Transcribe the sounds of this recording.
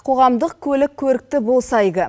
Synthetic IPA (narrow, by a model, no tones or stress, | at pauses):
qʰo̞ʁɑmd̪əq̚kʲʰɵlɪkʲʰːɵɾɪk̚t̪ɪbolˠsɑjʁʲə